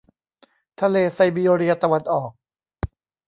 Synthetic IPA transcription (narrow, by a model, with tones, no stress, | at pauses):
t̪ʰa˧leː˧sa˧jbiː˧oː˧ɾi˧ɐ˧t̪a˧wa˧nʔɔː˨˩k̚